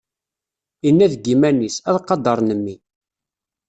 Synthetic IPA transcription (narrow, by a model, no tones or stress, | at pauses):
inːæðɡimænisæðqːɑd̪ɑɾˤnəmːi